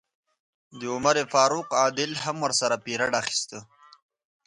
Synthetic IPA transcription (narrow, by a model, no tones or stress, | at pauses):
d̪əʊmaɾefɑːɾuqɑːd̪ɪlɦamwəɾsaɾapiɾaɖaxi̥st̪ə